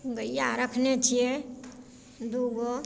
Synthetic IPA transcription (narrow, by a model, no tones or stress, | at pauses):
ɡəijːaɾəkʰnet͡ʃʰie | d̪uɡo